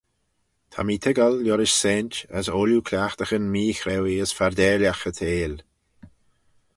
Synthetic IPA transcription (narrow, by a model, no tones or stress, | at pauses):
t̪ʰa̰miːt̪ʰɪɡalːjɔɾɪʃsɛnt͡ʃə̰soːljukʰlʲaxt̪əxənmiːxɾɛwiəsfaɾd̪ɛːljaxət̪ʰeːl